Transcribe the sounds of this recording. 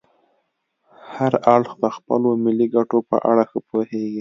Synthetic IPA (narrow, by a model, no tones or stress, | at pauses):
haɾaɽxd̪əxpə̰lomɪliɡaʈopə̰ʔa̰ɽaxəpoheɡi